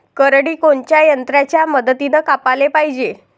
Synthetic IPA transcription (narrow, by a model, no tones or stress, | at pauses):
kəɾɽiːkoɳt͡ɕjajənt̪ɾat͡ɕjaməd̪ət̪inəkapalepaɦid͡ʑe